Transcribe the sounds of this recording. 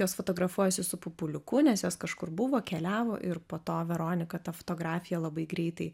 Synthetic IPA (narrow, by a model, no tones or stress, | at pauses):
joːsfot̪oːɡɾɐfuɔjɛsʲɪsʊpʊpʊlʲʊkʊnʲɛsjoːskɐʃkʊɾbʊʋoːkʲɛlʲæːʋo̰ːʔɪrpoːt̪oːʋʲɛɾoːnʲɪkɐt̪ɐfo̥t̪oːɡɾɑːfʲɪjɛlˠɐbɐɪɡɾʲɛɪt̪ɐɪ